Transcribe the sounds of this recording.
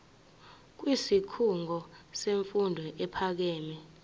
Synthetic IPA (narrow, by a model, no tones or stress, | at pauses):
k̬wisikʰuŋɡʱɔseɱfundʱwɛʔɛpʰak̬ɛːmɛ